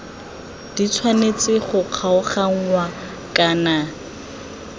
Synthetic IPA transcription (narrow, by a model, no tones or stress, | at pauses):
d̥it͡sʰwanet͡sɪχʊq͡χʰaʊχaŋ̩wa | kʼaːna